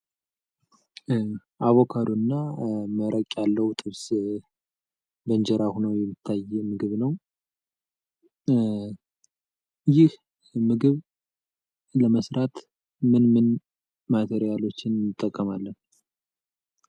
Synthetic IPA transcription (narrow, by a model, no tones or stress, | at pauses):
ʔaβokʰad̪onːaməɾʔəkʼjalːəwut̪ʼɨβs | bəɲd͡ʒɛɾahunəwjɛmːɨt̪ʰːajmɨɡɨβnəw | jɪh | mɨɡɨβ | ləməsɾat̪ | mɨnmɨn | mat̪ʰeɾijalo̞t͡ʃːɪnnɨt̪ʼːəkʼːəmalːən